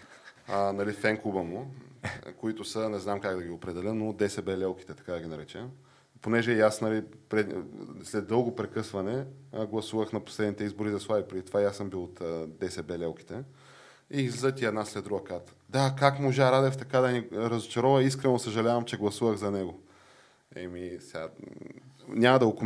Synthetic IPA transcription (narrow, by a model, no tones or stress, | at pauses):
nɐlifɛŋkubəmu | koit̪ʊsənɛznamkaɡd̪ɐɡʲiopɾɛd̪ɛlʲənod̪ɛsɛbɛlʲɛlˠki̥t̪ɛt̪ɐ̥kad̪ɐɡʲinɐɾɛt͡ʃɛm | ponɛʒɛasnɐlipɾɛslɛd̪ɤlˠɡopɾɛkɤsvɐnɛɡlˠɐsuvəxnɐpo̥slɛd̪nit̪ɛizboɾizɐslˠavipɾɛd̪it̪ovajasɤmbilˠot̪ːd̪ɛsɛbɛlʲɛlˠki̥t̪ɛ | izlizət̪iɛd̪naslɛd̪d̪ɾuɡəkaɾt̪ə̥d̪akakmoʒaɾad̪ɛft̪ɐkad̪ɐniɾɐzot͡ʃɐɾɔvɐis̬kɾɛnosəʒɐlʲavɐmt͡ʃɛɡlˠɐsuvəɣzɐnɛɡo | ɛ̰misɛa | nʲamɐd̪ɐɡoko